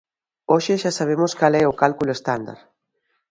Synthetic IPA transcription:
oʃɪʃasaβ̞emoskalɛʊkalkuloest̪and̪a̰ɾ

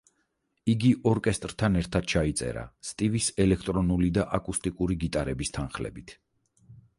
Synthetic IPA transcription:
iɡiʔɔɾkʼɛst̪ʼɾt̪ʰanɛɾt̪ʰad̪̥̚t͡ʃʰait̪sʼɛ̰ɾa̰st̪ʼivisɛlɛk̚ʰt̪ʼɾɔnulid̪aʔakʼust̪ʼikʼuɾiɡit̪ʼaɾɛbist̪ʰanχlɛ̰bit̪ʰ

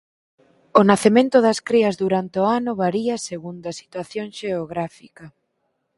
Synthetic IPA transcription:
ʊnaθemẽnt̪ʊðɐskɾiɐzðuɾant̪eoanʊβaɾiɐseɣund̪ɐsi̥t̪waθjoŋʃeoɣɾafikɐ

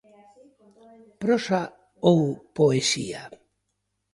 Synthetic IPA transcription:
pɾosa | owpoesḭa

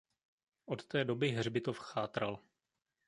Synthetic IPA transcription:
ʔot̪t̪ɛːdo̞bɪɦrbɪt̪ofxaːt̪ɾal

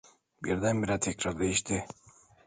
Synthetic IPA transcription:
biɾd̪ænbiɾat̪ʰɛcɾaɾd̪ejiʃt̪ʰɪ

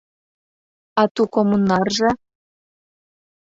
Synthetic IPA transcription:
ɑt̪ukomunːɑrʒɤ̆

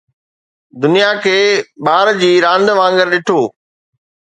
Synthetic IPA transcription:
d̪ʊnijakʰeːɓaːɾd͡ʑiːɾãːnd̪ʋãːŋɡəɾɗɪʈʰoː

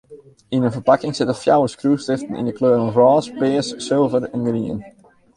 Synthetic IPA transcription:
inənfərpakɪŋsɪtəfjawəskrustɪftən̩ḭndəkløːɾnɔrɔːspɪəsːɪlˠvəɾɛnɡriə̰n

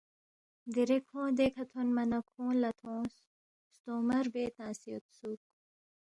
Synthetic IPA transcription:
d̪iɾekʰõːd̪eːkʰɐt̪ʰonmɐnɐkʰõːlɐt̪ʰõːs | st̪oːmɐɾbeːt̪ãːsijot̪suːk̚

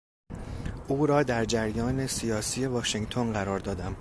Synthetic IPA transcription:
ʔuːɾɒːd̪æɾd͡ʒæɾjɒːne̞sijɒːsiːje̞vɒːʃeŋɡt̪ʰo̞nɢæɾɒːɾd̪ɒːd̪æm

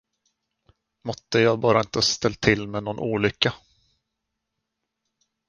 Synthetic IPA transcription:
mɔt̪ːəjɑːɡ̚bɑːɾaɪnt̪əst̪ɛlt̪ʰːɪlːmɛnɔnʔṵːlʏkːa

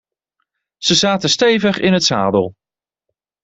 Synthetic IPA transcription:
z̥əzaːtəstejvəχɪnɦətsa̰ːdəlˠ

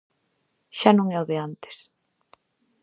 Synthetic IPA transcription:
ʃanõŋɛoðɪant̪ɪ̥s

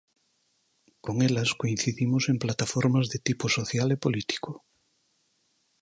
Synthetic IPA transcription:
koŋelaskoin̟θiðimosemplat̪afoɾmazðet̪iposoθjalepolit̪i̥ko

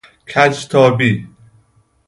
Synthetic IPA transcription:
kʰæt͡ʃt̪ʰɒːbiː

